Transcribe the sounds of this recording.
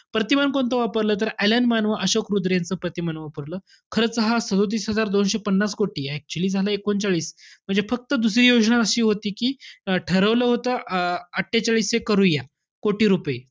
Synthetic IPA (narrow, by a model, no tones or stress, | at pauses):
pɾət̪imankont̪əʋapəɾləːt̪̬əɾælənmanʋəʔəɕokɾud̪ɾjãnt͡səːpɾət̪imanʋapəɾləː | kʰəɾət͡səɦasəd̪ot̪̬iːsɦəd͡zaɾd̪onɕepənːaskoʈiːak̚t͡ɕuliːd͡zʱaləekont͡saɭiːsm̤əɳd͡zefək̚t̪əd̪usɾiːjod͡zɳaəɕiːɦot̪iːkiːʈʰəɾəʋləːɦot̪əəʈʰːet͡ɕaɭiːsekəɾuja | koʈiːɾupəje